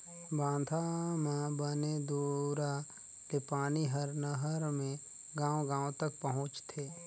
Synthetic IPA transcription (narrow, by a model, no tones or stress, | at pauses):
bãːd̪ʱamãbəned̪oːɾa | lepaːniɦəɾnəɦəɾmẽ | ɡãːõɡãːwt̪ək̚pəɦʊ̃t͡ʃt̪ʰeː